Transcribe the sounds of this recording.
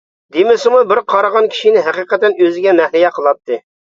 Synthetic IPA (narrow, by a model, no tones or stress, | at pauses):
d̪emɪsɪmubɪɾqʰɑɾɑʁɑnkʲʰi̥ʃinɪɦæqiqɛt̪ɛnøzɪɡʲɛmɛhlɪjɛqʰəlˠɑp̚t̪ʰːɨ